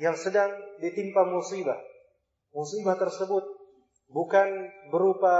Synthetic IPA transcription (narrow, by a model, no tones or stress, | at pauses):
jaŋsədaŋdit̪impamusibah | musibaht̪ərsəbʊt̪̚ | bukanbəɾupa